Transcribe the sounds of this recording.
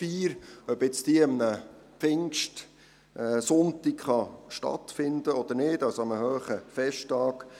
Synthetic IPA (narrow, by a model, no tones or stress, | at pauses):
fiːɾœbɪt͡stiəəmnə | pɪŋkʃt | ʔɛsʊnt̪ikχɑʃtɑ̰t̪fɪnd̪əɔd̥̪əɾnɪːdɑlsoɑməɦœːχəfɛʃtɑːk